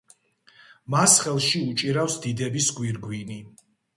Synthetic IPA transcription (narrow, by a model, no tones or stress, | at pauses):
masχɛlˠʃiut͡ʃʼiɾafsd̪id̪ɛbisɡwiɾɡwini